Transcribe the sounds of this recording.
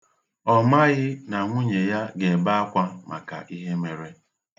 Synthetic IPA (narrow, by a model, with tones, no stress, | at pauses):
ɔ˨ma˦ɣɪ˦na˨ŋʷu˦ɲe˨ja˦ɡe˨ba˦a˦kʷa˦ma̰˨ka̰˨ʔi˦ɦe˦me˨ɾe˦